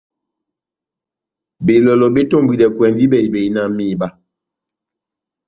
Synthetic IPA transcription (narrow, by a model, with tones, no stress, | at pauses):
be˨lɔ˨lɔ˨ɓe˦to˦˨mbwi˨ɗɛ˨kwɛ˨ndi˦bɛ˨i˨be˨i˦na˦˨mi˦˨ba˦